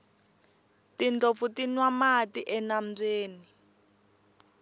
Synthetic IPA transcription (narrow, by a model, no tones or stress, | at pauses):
tind͡ɮofutinwamatiʔɛnam̩d͡zeːni